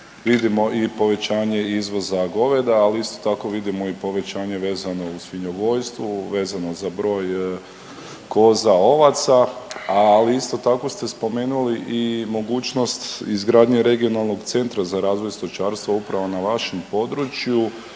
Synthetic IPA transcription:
ʋid̪imo̞ʔipo̞ʋe̞t͡ɕaːɲe̞izʋo̞zaɡo̞ʋe̞d̪aːliist̪o̞̥t̪ako̞ʋid̪imo̞ipo̞ʋe̞t͡ɕaːɲe̞ʋe̞ːzano̞usʋiɲoɡo̞jst̪ʋuʋe̞ːzano̞zabɾo̞ːj | ko̞ːzao̞ʋat̪saaliist̪o̞t̪ako̞st̪e̞spo̞me̞ːnuliʔimo̞ɡuːt͡ʃno̞st̪izɡɾaːd̪ɲeɾe̞ɡio̞nalˠno̞ɡt̪se̞nt̪ɾazaɾaːzʋo̞jst̪o̞t͡ʃaːɾst̪ʋoupɾaʋo̞naʋaʃe̞mpo̞d̪ɾut͡ɕju

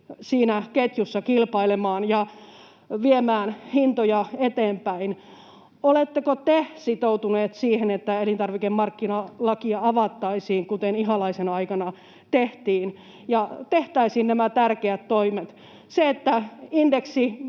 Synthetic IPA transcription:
siːnæket̪jusːɑkilpɑilemɑːnjɑ | ʋiemæːnhint̪ojɑet̪eːmpæin | olet̪ːekot̪esit̪out̪uneːt̪siːhenet̪ːæelint̪ɑrʋikemmɑrkːinɑlɑkiɑɑʋɑt̪ːɑisiːŋkut̪eniɦɑlɑisenɑikɑnɑ | t̪eht̪iːn | jɑt̪eht̪æisiːnnæmæt̪ærkeæt̪toimet̪ | seet̪ːæindeksi

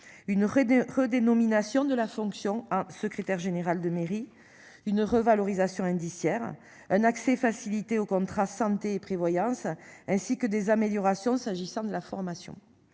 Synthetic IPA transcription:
ynʁəd̪enɔminasjɔ̃d̪əlafɔ̃ksjɔ̃ɑ̃səkχet̪ɛʁʒeneʁald̪əmeʁi | ynʁəvalɔʁizasjɔ̃ɛ̃d̪isjɛʁ | ɛ̃naksɛfasilit̪eokɔ̃t̪χasɑ̃t̪eːpχevwajɑ̃sɛ̃sikəd̪ezameljɔʁasjɔ̃saʒisɑ̃d̪əlafɔʁmasjɔ̰̃

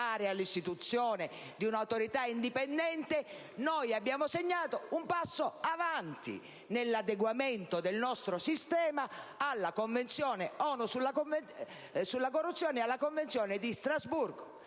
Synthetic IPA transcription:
aːɾɪalːist̪it̪ut̪sːjɔːne | d̪iunawt̪oɾit̪aind̪ipɛnd̪ɛnt̪e | nɔjabːjaːmoseɲːaːt̪oumpasːoavant̪ḭ | nelːad̪eɡwamɛnt̪od̪elnɔst̪ɾosist̪ɛːmaːlːakoɱvent̪sjɔːneɔnusulːako | sulːakorːut̪sːjɔːnɪalːakoɱvent̪sjɔːnɪd̪ist̪ɾazburɡo

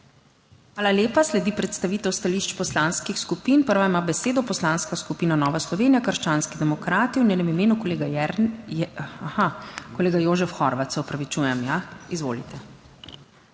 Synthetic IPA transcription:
xʋaːlaleːpaslɛd̪iːpɾɛt̪st̪aʋiːt̪ɛwst̪aliʃt͡ʃpɔslaːnskixskupinpəɾʋaimaːbɛseːd̪ɔpɔslanskaskupiːnanɔːʋaslɔʋeːnijakəɾʃt͡ʃaːnskid̪ɛmɔkɾaːt̪iwnjeːnɛmimeːnukleːɡ | axakɔleːɡajoːʒɛfxɔɾʋat̪sɛɔpɾaʋit͡ʃuːjɛmjaizʋo̰ːlit̪ɛ

